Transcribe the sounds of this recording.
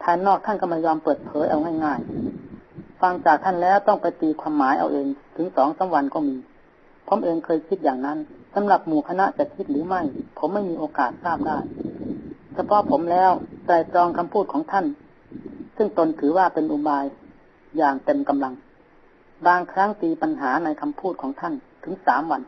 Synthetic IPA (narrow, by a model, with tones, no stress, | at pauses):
t̪ʰaː˧nɔː˧˩k̚t̪ʰa˧˥˨nkɔ˧˥˩ma˧˩jɔː˧mpɤː˨˩t̪̚pʰɤː˨˦jʔa˧wŋa˥˩jŋaː˧˥˩j | fa˧ŋt͡ɕaː˨˩k̚t̪ʰa˧˥˨nlɛː˦˧˥wt̪ɔ˥˩ŋpa˧jt̪iː˧kʰwaː˧mːaː˨˦jʔa̰˧wʔeː˨˧ŋt̪ʰɯ˨˦ŋsɔː˨˦ŋsa˨˦mwa˧nkɔː˧˩miː˧ | pʰo˧˦mʔeː˧ŋkʰɤː˧jkʰi˧˦t̪̚jaː˨˩ŋna˧˥˨nsa˨˦mla˧˩p̚muː˨˩kʰa˧na˧˥ʔt͡ɕa˧˩kʰi˧˥t̪̚ɾɯː˨˦ma˥˩jpʰo˨˦mːa˥˩jmiː˧˥ʔoː˧kaː˨˩t̪̚saː˥˩p̚daː˧˥˩j | sa˧pʰɔ˧˥ʔpʰo˩˦mlɛː˦˧˥wkɾa˧˩jt̪ɾɔː˧ŋkʰa˧mpʰuː˥˩t̪̚kʰɔː˨˦ŋt̪ʰa˧˥˩n | sɯ˥˩ŋt̪o˧nt̪ʰɯː˨˩˦waː˧˩pe˧nʔu˧baː˧j | jaː˨˩ŋt̪e˧mka˧mla˧ŋ | baː˧ŋkʰɾa˦˥ŋt̪iː˧pa˧nɦaː˩˦na˧jkʰa˧mpʰuː˥˩t̪̚kʰɔː˩˦ŋt̪ʰa˧˥˩nt̪ʰɯ˩˦ŋsaː˨˦mwa˧n